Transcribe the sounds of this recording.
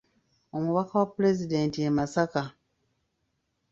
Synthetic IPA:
o̞muβakawapːule̞zide̞ːntiemasaka

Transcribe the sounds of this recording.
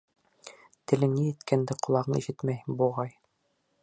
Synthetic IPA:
t̪ɘ̆lɘnːijɘt̪kænd̪ɘqŏlˠɑʁɤ̆iʃɘt̪mæjbuʁɑj

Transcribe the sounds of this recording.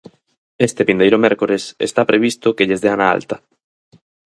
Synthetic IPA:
est̪epind̪ejɾʊmɛɾkoɾesḛst̪apɾeβist̪ʊkeʎezðeanaa̰lt̪ɐ

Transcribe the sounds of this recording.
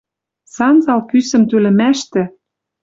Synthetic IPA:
sɑnzɑlpysə̆mt̪ølɘ̆mæʃt̪ɘ̆

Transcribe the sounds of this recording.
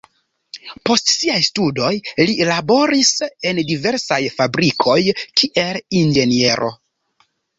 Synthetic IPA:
po̞stsiajstudo̞jlilabo̞ɾise̞ndive̞ɾsajfabɾikʰo̞jkʰiʔe̞lind͡ʒe̞nie̞ɾʔo̞̰

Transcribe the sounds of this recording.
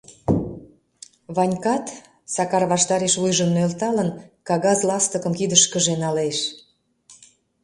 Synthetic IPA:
βɑnʲkɑt̪ | sɑkɑrβɑʃt̪ɑɾeʃβujʒənølt̪ɑlənkɑɣɑzlɑst̪əkəmkid̪əʃkəʒenɑleʃ

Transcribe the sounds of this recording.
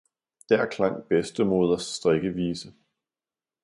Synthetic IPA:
d̥æɐkʰlɑ̈ŋ̰b̥esd̥əmoð̞ˠɐsːd̥ʁeɡ̥əʋiːsə

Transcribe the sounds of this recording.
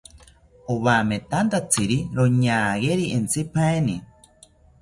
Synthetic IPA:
oβamet̪ant̪at͡sʰɨɾiɾoɲaːɣeɾient͡sɨpʰaeni

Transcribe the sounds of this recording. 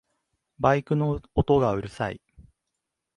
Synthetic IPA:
baikɯ̟noot̪o̞ɡaɯ̟ɾɯ̟sa̰ḭ

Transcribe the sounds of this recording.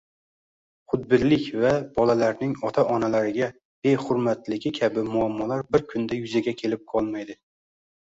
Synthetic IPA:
χʊt̪̚bɪllːɪkʲvabɒlalaɾnɪŋɒt̪ʰaʔɒnalaɾɪɡʲa | bejχʊɾmat̪lɪkʲɪkʲʰabɪmʊamːɒlaɾbɪɾkʲʰʊnd̪ajʊzaɡʲakʲʰe̞lɪp̚qʰɒlˠmajd̪ɪ

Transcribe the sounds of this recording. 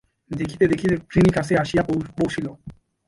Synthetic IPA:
d̪ekʰit̪ed̪ekʰit̪ekɾinikaseaʃijapopowʃʰilo

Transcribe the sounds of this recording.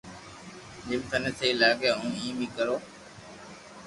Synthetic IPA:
ɗɪmt̪ʰəneːt̪ʰeːlaːɡeːɦũːĩːmiːkəɾoː

